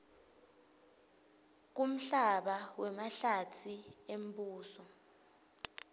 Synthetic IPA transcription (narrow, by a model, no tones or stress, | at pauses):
k̬um̩ɬaɓawɛmaɬatʰiem̩buːsɔ